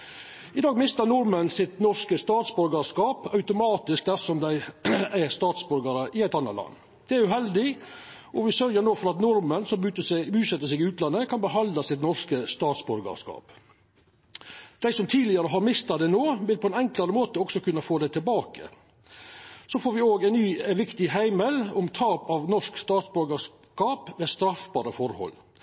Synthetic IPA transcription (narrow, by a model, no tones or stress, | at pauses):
ɪd̪ɑːɡmɪst̪əɾnʊɾmənsɪt̪nɔʂkəst̪ɑːt̪sbʉɾɡəʂkɑːpɑʉt̪ʊmɑːt̪ɪsk̚d̪æsɔmd̪æɪæɾst̪ɑːt̪sbʉɾɡəɾəʔɪæɪt̪ɑnːət̪lɑ̰nː | d̪̥ɛæɾjʉhɛld̪ɪ | ʔɔʋɪsœɾjəɾnoːfɔɾɑt̪nʊɾmənsɔmʉt̪əbʉːsɛt̪ːəʂ̬sɛɡɪʉːt̪lɑnːəkʰɑnbəɦɑnd̪lɑsɪt̪nɔɾskəst̪ɑːt̪sbʉɾɡɑ̰ʂkɑ̰ːp | d̪̥æɪsɔmt̪ʰiːlɪɑɾəɦɑɾmɪst̪ɑd̪ɛnoːʋɪlpʰɔɛnɛŋkləɾəmoːt̪əɔksɔkʉnːəfoːd̪æɪt̪ʰɪlbɑːkə̰ | sofoːɾʋɪoːɡæɪnyːʋɪkt̪ɪɦæɪmɛlɔmt̪ʰɑːpɑʋnɔʂkst̪ɑːt̪sbʉɾɡɑʂ | kɑːpʋeːst̪ɾɑfbɑːɾəfɔɾhɔ̰lː